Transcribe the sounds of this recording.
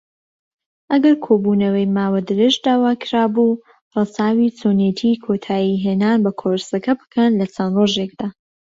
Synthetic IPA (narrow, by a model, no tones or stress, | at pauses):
ʔɐɡɐɾkʰoːbunɐwɐjmaːwɐd̪ɨɾɪʒd̪aːwaːkʰɾaːbu | rɐsaːwiːt͡sʰoːnet̪ʰiːkʰot̪ʰaːjiɦeːnaːnbɐkʰoɾsɐkʰɐbɨ̥kʰɐnlɐt͡sʰɐnroːʒek̚d̪̥aː